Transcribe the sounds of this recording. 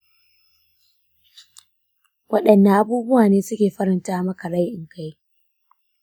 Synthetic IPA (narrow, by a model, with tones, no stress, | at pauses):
wɐ˦ɗɐ˨nːa˨ʔa˦buː˦bʊ˦waː˨neː˦sʊ˦kʲeː˨ɸɐ˦ɾɪ˨ntaː˦mɐ˦ka˨ɽa˦jʔɪ˨ŋka˦j